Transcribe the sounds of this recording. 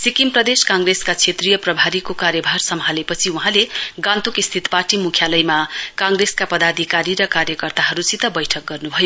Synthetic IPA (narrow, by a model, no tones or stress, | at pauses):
sikimprʌd̪eskaŋɡreskat͡sʰet̪rijʌprʌbʱaɾikokaɾjʌbʱarsʌmɦalepʌt͡sʰiuɦãleɡãnt̪ukist̪ʰit̪parʈimukʰjalʌjmakaŋɡreskapʌd̪ad̪ʱikaɾiɾʌkaɾjʌkʌrt̪aɦʌɾut͡sit̪ʌbʌjʈʰʌk̚ɡʌrnubʱʌjo